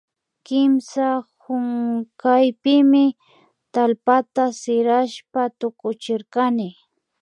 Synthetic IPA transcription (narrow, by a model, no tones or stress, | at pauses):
kɪmsahʊŋkajpɪmɪ | t̪alpat̪asɪɾaʃpat̪ʊkʊt͡ʃɪɾkanɪ